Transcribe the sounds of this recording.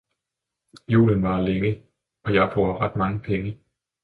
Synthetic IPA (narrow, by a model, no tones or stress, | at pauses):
jṵːlənʋɑ̈leŋə | ɒ̽jɑ̈ɪb̥ʁoːɐʁad̥mɑ̈ŋəpʰeŋə